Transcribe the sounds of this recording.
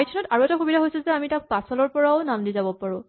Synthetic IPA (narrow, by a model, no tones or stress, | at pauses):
jtʰɔnɔtaɹuɛtaxubidʱaɦojsilzɛamitak̚pasɔlɔɹpɔɹaʊnamdizabɔpaɹʊ̃